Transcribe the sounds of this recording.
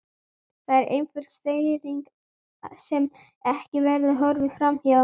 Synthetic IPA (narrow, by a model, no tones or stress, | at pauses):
θaðɛɾʔḛːjnfʏlst̪eːjðiŋk | sɛmɛhcɪvɛɾðʏɦœɾvɪfɾamhɛva